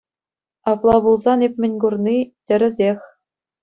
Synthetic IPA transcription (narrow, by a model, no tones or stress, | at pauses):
ɑplˠɑbulˠzɑnepʲmʲɘ̆nʲɡurnitʲɘ̆ɾʲɘ̆zʲexʲ